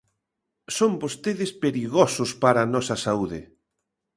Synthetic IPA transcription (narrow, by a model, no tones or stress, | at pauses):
sombost̪eðɪspeɾiɣosʊspaɾanɔsɐsauðɪ̰